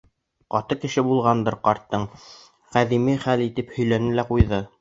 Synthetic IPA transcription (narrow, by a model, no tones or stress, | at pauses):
qɑt̪ɤkɘ̆ʃɘbulˠʁɑnd̪ɤɾqɑɾt̪ːɤɴ | qæðimiχælit̪ɘphɵ̆jlænɘlæqujðɤ